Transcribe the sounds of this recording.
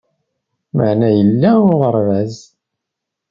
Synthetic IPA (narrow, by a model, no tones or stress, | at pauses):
məʕnæjəlːæʊʁəɾˤvæz